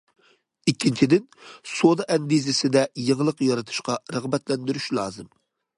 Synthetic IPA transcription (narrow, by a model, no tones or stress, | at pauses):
ikʲʰːint͡ʃʰid̪ɪnsod̪ɑʔɛnbizɪsɪd̪ɛjəŋlˠəqjɑɾɑt̪ʰu̥ʃqɑɾəʁbɛt̪lɛnd̪yɾyʃlˠɑːzɨm